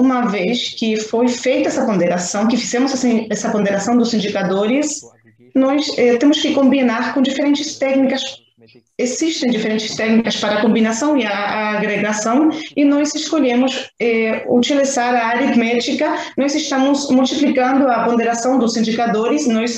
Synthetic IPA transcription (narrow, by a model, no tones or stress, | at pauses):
ũmɐveskɪfojfejt̪ɐɛsɐpõnd̪eɾasɐ̃w̃kɪfizɛ̃mʊzasĩɛsɐpõnd̪eɾasɐ̃w̃d̪ʊsĩnd͡ʒikad̪oɾɪs | nɔjsɛt̪ẽmʊskɪkõmbinaɾkõd͡ʒifeɾẽnt͡ʃɪst̪ɛknikɐs | eziʃt̪ẽj̃d͡ʒifeɾẽnt͡ʃɪ̥st̪ɛknikɐspaɾɐkõmbinasɐ̃w̃iaaɡɾeɡasɐ̃w̃ɪnɔjzeskoʎẽmʊsɛut͡ʃilizaɾɐːɾit̪mɛt͡ʃikɐnɔjzɪst̪ɐ̃mʊzmult͡ʃ̪iplikɐ̃nd̪ʊɐpõnd̪eɾasɐ̃w̃d̪ʊsĩnd͡ʒikad̪oɾɪsnɔjs